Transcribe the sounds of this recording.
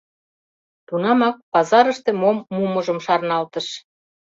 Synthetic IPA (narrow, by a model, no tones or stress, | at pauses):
t̪unɑmɑk̚pɑzɑɾəʃt̪emomːuməʒə̆mʃɑrnɑlt̪əʃ